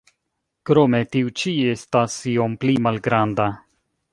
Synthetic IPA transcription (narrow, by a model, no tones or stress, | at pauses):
kɾome̞tiut͡ʃie̞stasio̞mplimalɡɾanda